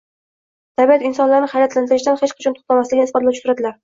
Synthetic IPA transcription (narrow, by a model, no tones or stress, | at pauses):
t̪ʰabiat̪ɪnsɒnlaɾnɪhajɾat̪lant̪ɪɾɪʃd̪anhet͡ʃqʰɑ̥t͡ʃʰɒnt̪ʰʊ̥χt̪ʰamaslɪɡʲɪnɪsbɒt̪lat͡ʃʰʊk̪ʊɾad̪ɪlaɾ